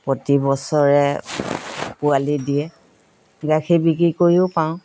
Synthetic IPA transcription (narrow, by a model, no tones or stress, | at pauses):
potibɔsɔɹɛ | pʊalidiɛ | ɡakʰibik̬ɹikoɹjʊpaʊ̃